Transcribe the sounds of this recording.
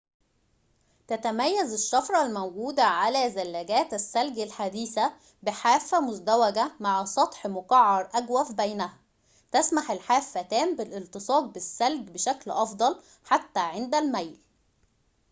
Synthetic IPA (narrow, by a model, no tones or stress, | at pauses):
t̪æt̪æmæjːæzɪʃːɑfɾˤɑlmæwɡuːd̪æʕalæzælːæɡæːt̪æsːælɡælħad̪iːsæ | bɪħaːfːæmʊzd̪æwæɡæmaʕsˤɑt̪ˤħmʊqɑʕːɑɾˤʔæɡwæfbæjnæhæ | t̪æsmaħelħaːfːæt̪æːmbɪlʔɪlt̪ɨsˤɑːɡ̚bɪsːælɡbɪʃæklʔɑfd̪ˤɑl | ħat̪ːæːʕend̪ælmæjl